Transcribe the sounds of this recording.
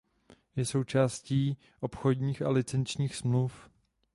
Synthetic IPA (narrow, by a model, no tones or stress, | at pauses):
jɛso̞wt͡ʃaːsciː | ʔo̞pxo̞dɲiːxalɪt͡sɛnt͡ʃɲiːxsmluf